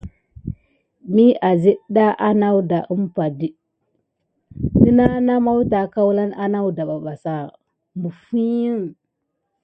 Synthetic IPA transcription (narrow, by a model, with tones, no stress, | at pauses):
mi˦a˨zi˦ɗɗa˦ʔa˦na˦wda˨ʔə˦mpa˨di˦ | ni˦na˦na˦ma˦wta˨ka˦wla˦na˦na˦wda˨ɓa˨ɓa˨sa˦˨ | mbu˨fi˦ji˦ŋ